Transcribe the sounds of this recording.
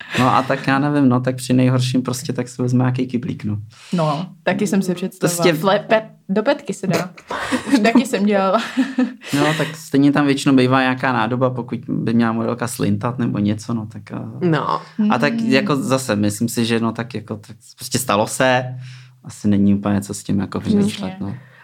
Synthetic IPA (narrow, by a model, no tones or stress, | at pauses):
noʔa̰t̪akjaːnɛvɪmno̞t̪ak̚pr̥ɪnɛjɦoɾʃimpɾoscɛt̪aksɛvɛzmɛɲaːkejkɪblḭːkno | not̪akɪsɛmsɛpr̥ɛt̪st̪ɾosɛlɛpɛ | dopɛt̪kɪsɛdaː | t̪akɪsɛmɟɛlala | not̪akst̪ɛjɲɛt̪amvjɛt͡ʃɪnowbejvaːɲaakaːnaːdo̞bapokucbɪmɲɛlamodɛlˠkaslɪ̰nt̪at̪nɛboɲɛt͡sonot̪akːno̰ʔat̪akjakozasɛmɪslɪmsɪʒɛnot̪akjakot̪akpsɾoscɛst̪alosɛ | ʔasɪnɛɲiuːpəlɲɛt͡soscɪmjakovɪmɪʃlɛt̪no